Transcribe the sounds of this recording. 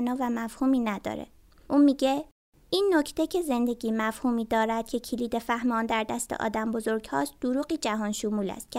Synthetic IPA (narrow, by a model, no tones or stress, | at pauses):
nɒːvæmæfhuːmiːnæd̪ɒ̰ːɾḛ | ʔuːmiːɟe̞ | iːnːocʰt̪ecʰe̞ze̞nd̪e̞ɟiːmæfhuːmiːd̪ɒːɾæd̪̥cʰe̞cʰiliːd̪e̞fæhmɒːnd̪æɾd̪æst̪ḛʔɒ̰ːd̪æmbo̞zo̞ɾɡhɒ̰ːsd̪̥oɾuːɢiːd͡ʒæɦɒːnʃomuːlæ̰st̪̚cʰe